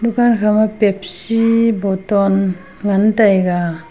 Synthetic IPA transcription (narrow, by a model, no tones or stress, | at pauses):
dukankʰamapep̚sibɔtɔn | ŋantajɡa